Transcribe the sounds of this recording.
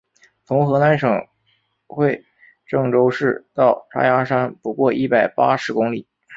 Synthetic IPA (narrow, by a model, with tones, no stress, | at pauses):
t͡sʰʊ˧˥ŋxɤ˧˥na˧˥nʂɤ˨˩ŋ | xwe˥˧ɪ | ʈ͡ʂɤ˥˩ŋʈ͡ʂo˥ʊʂɻ̩˥˩˧t̪ɑ˥˩ʊʈ͡ʂʰa̰˥ja˧˥ʂa˥npu˧˥kwɔ˥˧ʔi˥˩pa˨˩ɪpa˥ʂɻ̩˧˥kʊ˥ŋli˨˩˦